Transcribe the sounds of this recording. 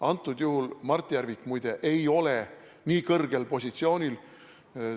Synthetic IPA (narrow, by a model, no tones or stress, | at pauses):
ɑnt̪ːˑud̪̥juhulmɑrt̪ːˑijærvikmujd̪̥e̞ʔejo̞le̞ | niːkɤrɡ̥e̞lpo̞s̬ʲit̪sio̞ːnʲil